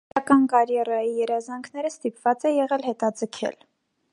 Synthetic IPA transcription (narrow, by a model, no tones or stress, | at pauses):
ɑkɑnkɑɾjɛrɑjijɛɾɑzɑŋkʰnɛɾəst̪ipv̥ɑt͡sɛjɛʁɛlɦɛt̪ɑd͡zəkʰɛ̰l